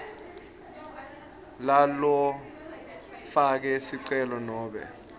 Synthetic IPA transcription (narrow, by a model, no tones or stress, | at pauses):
lalɔ | fak̬ɛsiǀɛlɔnɔːɓɛ̰